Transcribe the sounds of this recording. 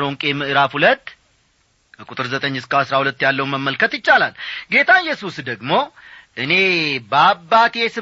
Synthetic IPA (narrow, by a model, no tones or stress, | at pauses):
ɾoŋkʼemɨʔɨɾafhulət̪ː | kʼut̪ʼɨɾzət̪ʼəɲːɨskaasɾahulət̪ːjalːəwməmːəlkʰət̪jɪt͡ʃːalalɡe̞t̪ʰaɨjːɛsusd̪əɡmo̞ʔɨne̞bəabːat̪jesɨ